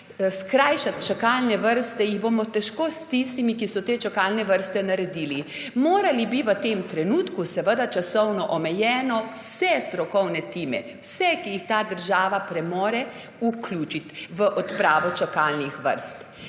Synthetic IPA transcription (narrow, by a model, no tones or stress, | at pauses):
skɾaːjʃat̪t͡ʃakalnɛʋəɾst̪ɛjiɣboːmɔt̪ɛʃkoːst̪ist̪imikisɔt̪eːt͡ʃakalnɛʋəɾst̪ɛnaɾɛd̪iːlimoːɾalibiʋət̪emt̪ɾɛnuːt̪kusɛʋəd̪at͡ʃasɔwnɔʔɔmɛjɛːnɔwsɛst̪ɾɔkɔwnɛt̪iːmɛ̰ | wsɛkijixt̪aːd̪əɾʒaːʋapɾɛmoːɾɛ | uklʲuːt͡ʃit̪ʋəʔɔt̪pɾaːʋɔt͡ʃakalnixʋə̰ɾst̪